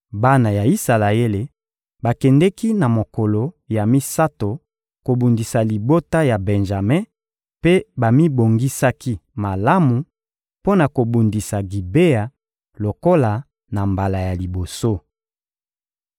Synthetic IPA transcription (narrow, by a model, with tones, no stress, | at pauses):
ba˦na˨ja˨i˦sa˨la˨e˦le˨ | ba˨kɛ˨ndɛ˦ki˦na˨mo˨ko˨lo˨ | ja˨mi˦sa˦to˨ | ko˨bu˨ndi˨sa˨li˨bo˦ta˦ja˨bɛ˨nʒa˨mɛ˦ | pe˦ba˨mi˦bo˨ŋɡi˦sa˦ki˦ma˨la˦mu˨ | po˦na˨ko˨bu˨ndi˨sa˨ɡi˨be˦ja˨ | lo˨ko˦la˨ | na˨mba˨la˨ja˨li˨bo˨so˦